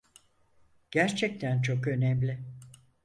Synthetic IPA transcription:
ɟ̥æɾt͡ʃʰɛc̚t̪ʰænt͡ʃʰo̞kø̞nɛmlʲɪ

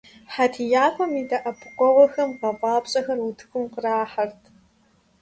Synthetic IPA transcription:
ħatʰijaːkʷʰʼɔmiːdɐʔɐpʰkʷʼɔʁɔxɐmqɐpʼɑːpɕʼɐxɐrutʰɨxʷʊmqəraːħɐrtʰ

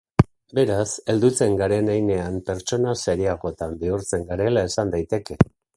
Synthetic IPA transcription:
be̞ɾase̞ld̪ut͡se̞ŋɡaɾe̞najne̞ampe̞ɾt͡so̞naseɾiaɣo̞t̪ambiuɾt͡se̞ŋɡaɾe̞lae̞sand̪ajt̪e̞ke̞

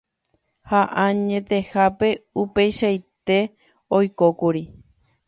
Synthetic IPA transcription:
haʔãɲẽ̞t̪e̞hape̞upe̞jʃajt̪e̞ | ojkokuɾi

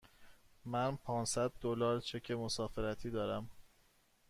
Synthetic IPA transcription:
mænpʰɒːnsæd̪̚ːolɒːɾt͡ʃʰe̞cʰe̞mosɒːfe̞ɾæt̪ʰiːd̪ɒːɾæm

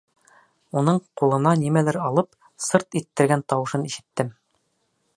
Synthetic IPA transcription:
unɤɴqulˠɤ̆nɑnimælæɾɑlˠɤp | sɤɾt̪it̪ːɘ̆ɾɡænt̪ɒwɤ̆ʃɤniʃɘ̆t̪ːɘm

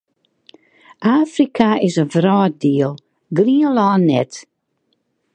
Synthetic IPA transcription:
ʔaːfrikʰaɪzəvɾɔːdiːəlˠ | ɡliːəlaːnːɛ̰t

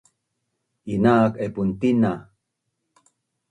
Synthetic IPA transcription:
inaːkepunt̪ina

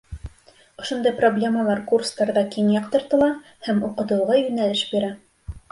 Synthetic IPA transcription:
ŏʃŏnd̪ɑjproblʲe̞məlˠɑɾkurst̪ɑɾðɑkinjɑqt̪ɤ̆ɾt̪ɤ̆lˠɑ | hæmuqɤ̆t̪ɤ̆wʁɑjɵ̆nælɘʃbiɾæ

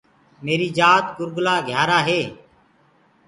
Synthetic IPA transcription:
meːɾiːd͡ʒaːt̪ɡʊɾɡlaːɡʱjaːɾaːɦeː

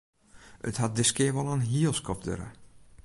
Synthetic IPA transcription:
ʔə̰that̚dɪskɪəɹʋɔlˠənɦiəəlˠskɔfdø̰ɾə̰

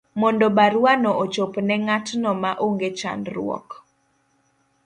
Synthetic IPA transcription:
mɔndɔbaɾwanɔʔot͡ʃopnɛŋatnɔmaʔoŋɡet͡ʃa̰ndɾʊ̰ɔ̰k

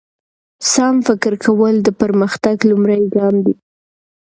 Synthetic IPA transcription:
sɑmfɪkɪɾkʰawəld̪əpəɾməxt̪aɡlumɾajɡɑmd̪i

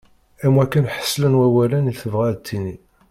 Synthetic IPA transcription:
æmwækːənħə̥sːlənwæwælæniθəvʁæðt̪ʰːini

